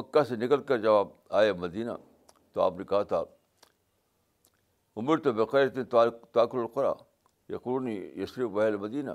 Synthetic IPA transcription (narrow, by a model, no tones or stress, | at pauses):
mɐkːasenɪkəlkɐɾd͡ʒɐʋaːb̚ | aːjamɐd̪iːna̰ | t̪oa̰ːpnekɐɦat̪ʰa | ʊmɪɾt̪obeqaːɾt̪int̪ːt̪aːkʊlɐlqʊɾa̰ː | jḛqʊɾuːnijɐsɾiʋɐɦelmɐd̪iːna̰